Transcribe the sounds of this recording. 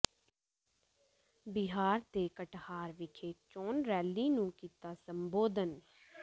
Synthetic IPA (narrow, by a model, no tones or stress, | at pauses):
bɪɦaːɾt̪eːkəʈhaːɾʋɪkʰeːt͡ʃoːnɾɛːlːiːnũːkiːt̪aːsəmboːd̪ən